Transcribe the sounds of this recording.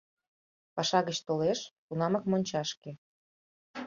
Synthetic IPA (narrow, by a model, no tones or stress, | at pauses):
pɑʃɑɣət͡ɕt̪oleʃt̪unɑmɑkmonʲt͡ɕɑʃke